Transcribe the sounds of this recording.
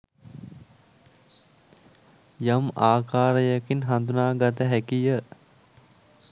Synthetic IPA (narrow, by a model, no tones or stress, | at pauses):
jamaːkaːɾəjəkinɦand̪unaːɡat̪̬əɦækijə